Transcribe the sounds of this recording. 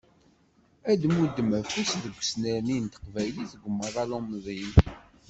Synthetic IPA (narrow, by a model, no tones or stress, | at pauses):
æd̪mud̪ːəmæfusðəɡʷːsnæɾnint̪ə̥qvæjliθəɡʷəmːəðˤɑlomðˤim